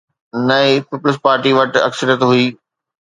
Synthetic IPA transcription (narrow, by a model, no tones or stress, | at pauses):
nɐipiːpʊlɪspaːɾʈiʋɐʈɐ̰ksəɾjət̪ɦuiː